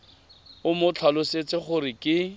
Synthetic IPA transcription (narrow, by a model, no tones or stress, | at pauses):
ʊmʊt͡ɬʰalʊset͡sɪχʊɾɪkʼɪ